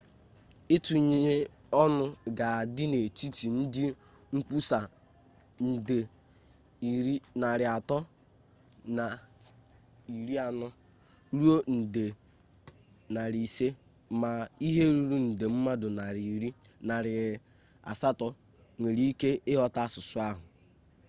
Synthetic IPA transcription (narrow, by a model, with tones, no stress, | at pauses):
ɪ˦tu˨ɲe˨e˦ | ɔ˦nʊ˦ɡa˨a˨dɪ˦ne˨t͡ʃi˦ti˨n̩˦dɪ˦ | ŋ͡m̩˦k͡pu˦sa˨ | n̩˨de˨ | i˨ɾi˦na˨ɾɪ˨a˨tɔ˦ | na˨ | i˨ɾi˦a˨nɔ˦ | ɾu˦o˦n̩˨de˨ | na˨ɾi˨se˦ | ma˨i˦ɦe˦ɾu˨ɾu˦n̩˨de˨m̩˦ma˦dʊ˨na˨ɾi˨ɾi˦ | na˨ɾɪ˨ | a̰˨sa˦tɔ˦ | ŋʷe˨ɾi˦ke˦ɪ˦ɦɔ˦ta˦sʊ˨sʊ˦a˦ɦʊ˨